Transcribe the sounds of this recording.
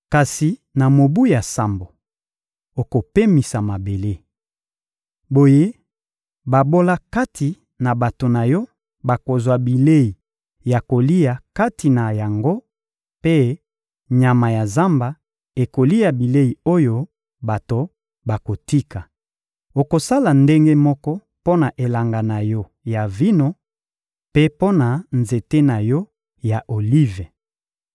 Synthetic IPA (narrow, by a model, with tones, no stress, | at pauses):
ka˨si˨na˨mo˨bu˦ja˨sa˦˨mbo˨ | o˨ko˨pe˦mi˨sa˨ma˨be˨le˦ | bo˨je˦ | ba˨bo˦la˦ka˦tʰi˨ | na˨ba˨to˨na˨jɔ˦ | ba˨ko˨zwa˨bi˨le˦i˨ | ja˨ko˨li˦a˨ka˦ti˨na˨ja˨ŋɡo˦ | pe˦ | ɲa˨ma˨ja˨za˦mba˨ | e˨ko˨li˦ja˨bi˨le˦i˨o˦jo˦ | ba˨to˨ | ba˨ko˨ti˦ka˨ | o˨ko˨sa˦la˨nde˦ŋɡe˦mɔ˦kɔ˦ | po˦na˨ʔe˨la˨ŋɡa˨na˨jɔ˦ | ja˨vi˦no˦ | pe˦po˦na˨nze˨te˦na˨jɔ˦ | ja˨ʔo˨li˦ve˨